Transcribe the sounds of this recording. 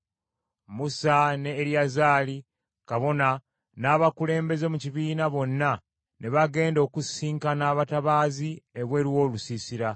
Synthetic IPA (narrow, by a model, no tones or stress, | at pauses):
musane̞ːɾijazaːli | kaβo̞na | naːβakule̞ːmbe̞ze̞muciβiːnaβo̞nːa | neβaɡe̞ːndo̞ːkusiːŋkanaːβataβaːzieβwe̞ɾiwo̞ːlusisiɾa